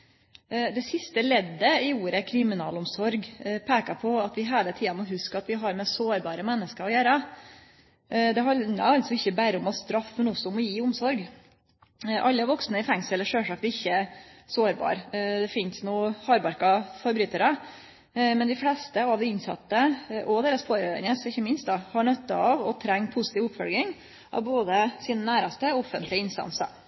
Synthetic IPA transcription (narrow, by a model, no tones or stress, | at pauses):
d̪ɛsɪst̪əlɛd̪ːəɪuːɾəkʰɾɪmɪnɑ̰ːlɔmsɔɾɡpʰeːkɑpʰɔɑt̪ʋɪɦeːlət̪ʰiːɑnɔɦʉskəɾɑt̪ʋɪɦɑɾmɛsoːɾbɑːɾəmɛnːəskəɾɔjæːɾə | d̪ɛɦɑə̰ɾɑlsɔɪçːəbæːɾəʊmɑʋst̪ɾɑfmɛnɔsːɔʊmɔjiːʊmsɔɾɡ | ʔɑlːəʋɔksnəɪfɛŋsɛlːəʂøːʂɑk̚t̪ɪçːəsoːɾbɑ̰ːɾd̪ɛfɪnsnuːhɑːɾbɑɾkɑfɔɾbɾyːt̪əɾə | mɛnd̪ɪflɛst̪əɑʋd̪ɛɪnsɑ̰t̪ːəʔɔd̪eːɾəsfʰoːɾøə̰nəsɪçːəmɪnst̪d̪ɑhɑɳœt̪ːɑɑʋɔt̪ʰɾɛŋːpʰʊsɪt̪iːʋʊpfɔlɡ̪ɪŋ | ʔɑ̰ʋboːd̪əsiːnənæːɾɑst̪əɔɔfːənt̪ʰlɪəɪnst̪ɑ̰nsɑ̰ɾ